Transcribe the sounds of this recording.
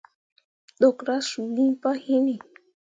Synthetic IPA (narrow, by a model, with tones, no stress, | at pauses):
d̪o˨kɾa˦su˨li˦pa˦hi˦ni˨